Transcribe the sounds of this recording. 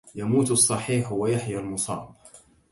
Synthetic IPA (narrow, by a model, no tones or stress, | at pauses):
jamuːt̪ɑsˤːɑħiːħwajaħjalmʊsˤɑ̰ːb